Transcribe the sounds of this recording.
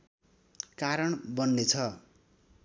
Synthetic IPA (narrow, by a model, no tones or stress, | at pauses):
kaɾʌɳbʌnːet͡sʰʌ